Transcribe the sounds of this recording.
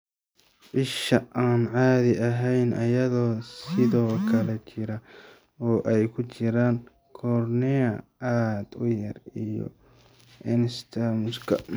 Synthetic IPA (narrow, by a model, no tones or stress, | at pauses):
ʕɪʃɐʔaːnʕaːðɪɐɦɛjnʔɐjɐðɔːsɪðɔːkʰɐlɛt͡ʃʰɪɾɐ | ɔːʔɛjkʰʊt͡ʃɪɾaːŋ | kʰɔːrnɛɐaːd̪ʊjɐrijɔ̰ | ʔɪnst̪ʰɐmʊskʰɐ̰